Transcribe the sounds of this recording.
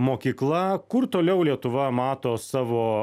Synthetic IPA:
moːkʲiːklˠɐkʊɾt̪oːlʲɛʊlʲiɛt̪ʊʋɐmɑːt̪oːsɑːʋoː

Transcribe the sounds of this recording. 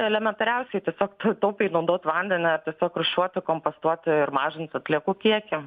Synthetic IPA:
ɛlʲɛmʲɛnt̪ɐɾʲɛʊsʲɛɪt̪ʲiɛsʲoːkt̪t̪ɐʊpʲɛɪnɐʊd̪oːt̪ʲʋɐnʲd̪ʲɛnʲɪɐɾt̪ʲiɛsʲoːkɾʊʃʲuɔt̪ʲkompost̪uɔt̪ʲɪɾmɑːʒʲɪntsɐt̪ʲlʲiɛkuːkʲiɛkʲɪ

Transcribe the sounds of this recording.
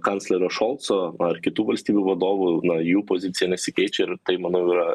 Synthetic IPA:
kɑnt̪sʲlʲɛɾoːʃolˠt̪soːɐrkʲɪt̪uːʋɐlʲsʲt̪ʲiːbʲuːʋɐd̪oːʋunɐjuːpoːzʲɪt̪ʲɪjɛnʲɛsʲɪkʲɛɪt͡ʃʲɛɪɾt̪ɐɪmɐnɐʊiːɾɐ

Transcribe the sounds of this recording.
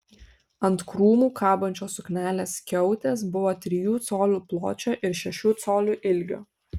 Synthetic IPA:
ɐnt̪kɾuːmuːkʰɑːbɐnʲt͡ʃʲoːsʊknʲæːlʲeːskʲɛʊt̪ʲeːsbʊʋoːt̪ʲɾʲɪjuːt̪soːlʲuːplˠo̰ːt͡ʃʲoːʔɪɾʃʲɛʃʲuːt̪soːlʲuːʔɪlʲɡʲo̰ː

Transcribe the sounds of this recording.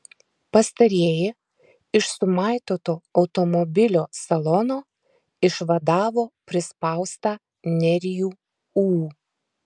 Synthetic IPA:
pɐst̪ɐɾʲiːjɪ | ɪʃsʊmɑˑɪt̪oːt̪oːɐʊt̪ɔmɔbʲɪlʲoːsɐlˠɔnoː | ɪʃʋɐd̪ɑːʋoːpʲɾʲɪspɑˑʊst̪ɑː | nʲɛɾʲɪjuː | uː

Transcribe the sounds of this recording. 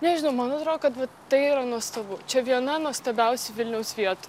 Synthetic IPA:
nʲɛʒʲɪnɐʊmɐnoɐt̪ɾoːdkɐt̪ʋɐ | t̪ɐɪiːɾɐnuɔst̪ɐbʊt͡ʃʲɛʋʲiɛnɐnuɔst̪ɐːbʲɛʊsʲɪʋʲɪlʲnʲɛʊsʋʲiɛt̪ʊ

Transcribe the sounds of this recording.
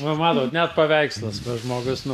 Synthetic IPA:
ɐmɑːt̪oːt̪nʲɛt̪̚pɐʋʲɛɪkslˠɐsʋɐʒmoːɡʊsnʊ

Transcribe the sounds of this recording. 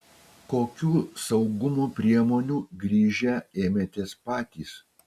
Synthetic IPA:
koːkʲuːsɐʊɡʊmuːpʲɾʲiɛmoːnʲuːɡɾʲiːʒʲɛeːmʲɛt̪ʲeːspɑːt̪ʲḭːs

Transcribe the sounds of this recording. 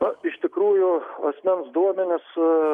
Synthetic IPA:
ɐɪʃt̪ʲɪkɾuːjʊɐsʲmʲɛnsd̪uɔmʲɛnʲɪs

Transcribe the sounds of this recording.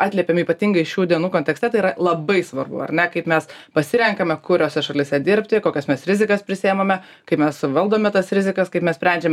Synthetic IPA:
ɑːt̪lʲiɛpʲeːmiːpɐt̪ʲiŋɡɐɪʃʲuːd̪ʲiɛnuːkonʲt̪ʲɛkst̪ʲɛt̪ɐɪiɾɐlˠɐbɐɪsʋɐrbʊ̰ɐ̰rnʲɛkɐɪpmʲɛspɐsʲɪɾʲɛŋkɐmʲɛkʊɾʲoːsʲɛʃɐlʲɪsʲɛd̪ʲɪɾʲpʲt̪ʲɪkoːkʲɛsmʲɛsɾʲɪzʲɪkɐspʲɾʲɪsʲɪɛmɐmʲɛ | kɐɪpmʲɛsʋɐlˠd̪oːmʲɛt̪ɐsɾʲɪzʲɪkɐskɐɪpmʲɛsʲpʲɾʲɛnʲd͡ʒʲɛm

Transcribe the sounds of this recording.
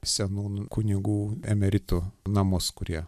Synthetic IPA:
sʲɛnuːnkʊnʲɪɡuːɛmʲɛɾʲɪt̪unɑːmoskʊɾʲiɛ

